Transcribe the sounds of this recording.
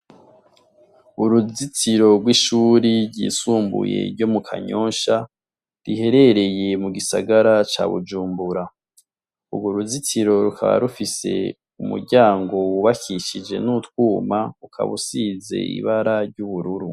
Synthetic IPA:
uɾuzit͡siɾo̞ɡwiʃuːɾiɾɟḭːsuːmbṵje̞̰ɾɟo̞mukʰa̰ɲoːnʃa | ɾihe̞ɾe̞ɾe̞je̞muɡisaɡaɾat͡ʃa̰ːβṵd͡ʒuːmbuɾa | uɡoɾuzit͡siɾo̞ɾuka̰βa̰ɾufise̞̰ | umṵɾɟaːŋɡo̞wuβakiʃid͡ʒe̞̰nutkwuːmaukʰa̰βusiːze̞̰ḭβaɾaɾɟuβuɾuɾu

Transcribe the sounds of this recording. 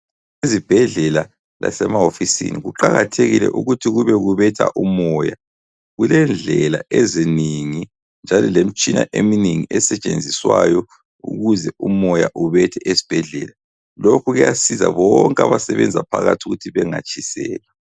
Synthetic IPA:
izib̥ʱɛɮɛla | la̰sɛmaɦofisḭniɣuǃaɣatʰeɣilɛ̰ʔuɣutʰiɣuβɛɣuβɛtʰa̰ʔumɔja | ɣulɛnd͡ɮʱɛlaɛziniŋi | nd͡ʒʱalɔlem̩t͡ʃʼina̰ʔemineŋiɛsɛt͡ʃʼend͡zʱiswajɔ | ṵɣuzɛumɔjaʔuβɛtʰɛʔesi̥b̥ʱɛɮɛla | lokʰuɣɛjasiza̰βɔŋkʼaβasɛβɛnd͡zʱapʰaɣatʰuɣutʰiβɛŋat͡ʃʼisɛːlɛ

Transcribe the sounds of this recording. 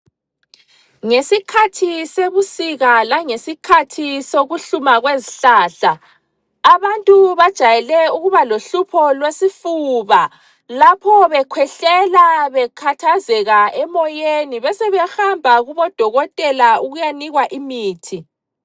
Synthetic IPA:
ŋesikʰatʰiseβusiɣalaŋesikʰatʰisoɣuɬumaɣweziɬaːɬaː | βantʼuβad̥ʒ̥ʱajɛlɛuɣuβaloɬupʰɔlwesifuβa | lapʰɔβɛkʰwɛɬɛlaβɛkʰatʰazɛɣaɛmɔjeniβɛsɛβɛhambʱaɣuβɔd̥ʱɔɣɔtʼɛlauɣujaniɣwaʔimiːtʰi

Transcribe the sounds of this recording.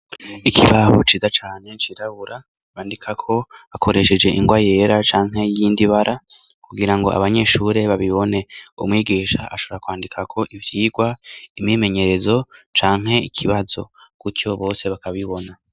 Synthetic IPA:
ikʰiβaho̰t͡ʃiːzat͡ʃaːne̞t͡ʃiɾaβuɾa | βaːndikʰakʰo̞akʰo̞ɾe̞ʃe̞d͡ʒe̞ʔiŋɡwaje̞ːɾat͡ʃaːŋ̥ɦe̞jiːndiβaɾʔa | kuɡiɾaŋɡo̞̰ʔa̰βaɲe̞ʃuɾe̞βaβiβo̞ne̞ṵmŋiːɡiːʃa̰ʔa̰ʃo̞βoɾakwaːndikʰakʰo̞ʔivjiːɡwaimime̞ɲe̞ɾe̞zo̞t͡ʃaːŋ̥ɦe̞ikʰiβazo̞̰kuco̞βo̞ːse̞βakaβiβo̞na

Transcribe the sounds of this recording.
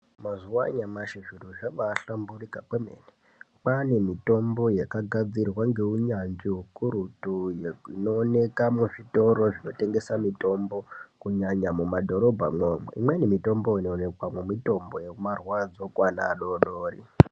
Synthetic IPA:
mazuwaɲamaʃiʐiruʐaʋaːɬamburikapwemḛne | pane̞mito̞mbo̞jekaɡʱad͡zirwaŋɡe̞uɲand͡ʒiɦukuɾutujino̞ːne̞kamuʐito̞ɾo̞ʐino̞te̞ŋɡe̞samito̞mbo̞kuɲaɲamumadʱo̞ɾo̞bʱamwomwḛʔḭmweinemito̞mbo̞inoːne̞kwamumito̞mbo̞jemarwad͡zo̞kwana̰ːɗo̞ɗoːrḭ

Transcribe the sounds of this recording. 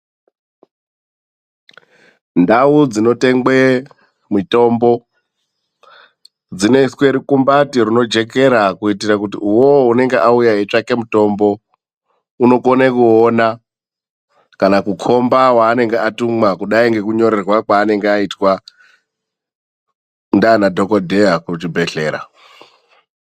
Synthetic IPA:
ndaud͡zino̞te̞ŋɡwe | mito̞mbo̞ | d͡zine̞iswe̞ɾikumbatirino̞d͡ʒe̞ke̞ɾakuitirakutiuwoɦune̞ŋɡeʔaujaɦet͡ʂake̞muto̞mbo̞ | uno̞konekuona | kanakukʰo̞mbawaːne̞ŋɡeʔatumwakuɗaiŋɡe̞kuɲo̞ɾerwakwaːne̞ŋɡeaitwa | ndanadʱo̞kodʱeakut͡ʃibʱe̞ɬe̞ːɾa̰

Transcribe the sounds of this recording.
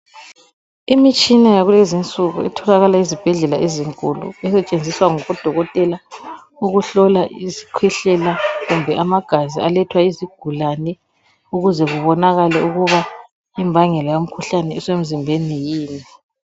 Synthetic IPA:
imit͡ʃʼinajaɣulezint͡sʼuɣṵɛ̰tʰɔlaɣalaizib̥ʱɛɮɛlaʔeziŋkʼulṵɛsɛt͡ʃʼend͡zʱiswaŋɔɣɔd̥ʱɔɣɔtʼɛla | uɣuɬɔlaʔizi̥kʰwɛɬɛlaɣumbʱɛʔamaɡ̥ʱazialɛtʰwaiziɡ̥ʱulanɛ | uɣuzɛɣuβɔnaɣalɛuɣuβa | imbʱaŋɛlɛjom̩kʰuɬanɛisem̩zimbʱenijiːni

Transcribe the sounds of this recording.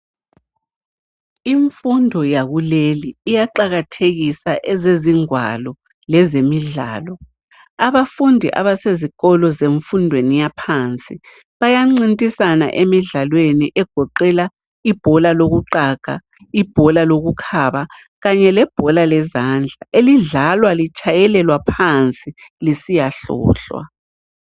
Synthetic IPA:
iɱfundʱɔjaɣuleliːjaǃaɣatʰeɣisaʔɛzeziŋwa̰lɔ | lɛzemiɮa̰ːlɔ | aβafundʱḭʔa̰βaseziɣɔlɔzeɱfundʱwenijapʰant͡sʼi | βajaŋ͡ǀintʼisana̰ʔemiɮalweniʔɛɡ̥ʱɔǃɛla | ib̥ʱɔlaloɣuǃaɣ̥ʱa̰ | ib̥ʱɔlaloɣukʰaβa | ɣaɲɛlɛb̥ʱɔlalɛzand͡ɮʱaʔeliɮalwalit͡ʃʼajɛlɛlwapʰant͡sʼilisijaɬɔ̰ːɬwa̰

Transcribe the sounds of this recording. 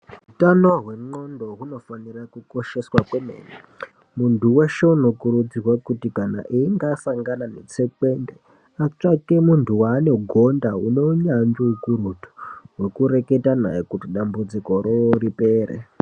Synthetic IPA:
utanoɦwe̞ŋ͡ǃondo̞ɦuno̞fanirakuko̞ʃe̞swakwemḛːne | muntuweʃeunokuɾud͡zirwakutikana̰ʔiiŋɡasaŋɡananḛt͡sekwe̞nde | at͡ʂakemuntʰuwaːne̞ɡʱo̞ndaune̞uɲaɲd͡ʒiukuɾutʰo̥ɦwe̞kuɾe̞ke̞tana̰ikutiɗambud͡ziko̞ɾoɾipeːrḛ

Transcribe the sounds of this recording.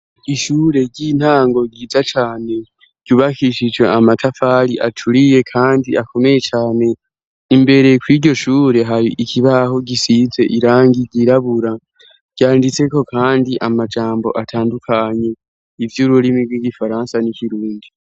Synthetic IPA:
iʃuːɾe̞ɟiːn̥haːŋɡo̞ɟiːzat͡ʃaːne̞ | ɟ̥uβakiʃid͡ʒwe̞amatʰafaːɾiʔatʰuɾije̞kʰaːndiʔakʰo̞me̞je̞t͡ʃaːne̞ | imbe̞ɾe̞kwiːɟo̞ʃuːɾe̞ɦaɾiʔikiβaho̞ɟisize̞ʔiɾaːŋɡiɟiɾaβuɾa | ɟ̥aːndit͡se̞ko̞kʰaːndiʔamad͡ʒaːmbo̞̰ʔatʰaːndukʰaɲe̞ | ivjuɾulimiɡwiɡifaɾansanikiɾuːndi

